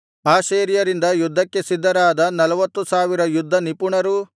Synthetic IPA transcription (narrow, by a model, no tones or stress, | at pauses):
aːʃeːɾijɐɾind̪ɐjud̪ʱːɐkːe̞sid̪ːɐɾaːd̪ɐnɐlɐʋɐt̪ːusaːʋiɾɐjud̪ʱːɐnipuɳɐɾu